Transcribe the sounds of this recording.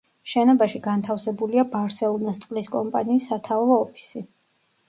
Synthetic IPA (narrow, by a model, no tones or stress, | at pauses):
ʃɛnɔbaʃiɡant̪ʰafsɛbuliabaɾsɛlˠɔnast̪sʼqʼliskʼɔmpʼaniːsːat̪ʰavɔːpʰi̥si